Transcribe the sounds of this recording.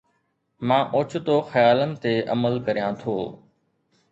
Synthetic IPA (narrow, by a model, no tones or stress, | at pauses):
mãːʔʊt͡ʃʰt̪oːxəjaːlənɪ̆t̪eːʔəməlkəɾijãːt̪ʰoː